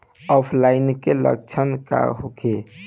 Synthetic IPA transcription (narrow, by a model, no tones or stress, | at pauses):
ɔpʰlainkelə̰k̚t͡ʃʰənka̰ɦokʰe